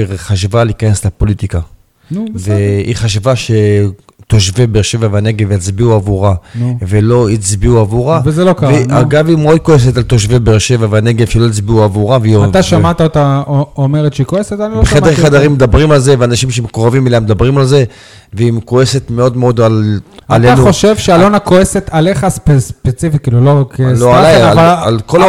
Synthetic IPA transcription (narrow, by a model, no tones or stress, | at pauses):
χaʃvaleikane̞slepo̞lit̪ika | nveiχaʃvaʃe̞ | t̪o̞ʃvebeʁʃe̞vavane̞ɡeveit͡sbiuavuʁanvelo̞it͡sbiuavuʁavezelokaveaɡavimod̪̚koes̬etalt̪oʃvebeʁʃe̞vavaneɡevʃeloit͡sbiuavuʁaveiat̪aʃamat̪aot̪aome̞ʁet̪ʃeikoeset̪aniloeχed̪eʁχad̪aʁimːed̪abʁimalze̞veanaʃimʃemekoʁavimeleemed̪abʁimalze̞ | veimkoe̞se̞t̪meo̞d̪meo̞d̪alaleano̞ʃevʃealo̞nakoese̞t̪ʰale̞χaspespet͡sifikiːlulokeoalaavaalkola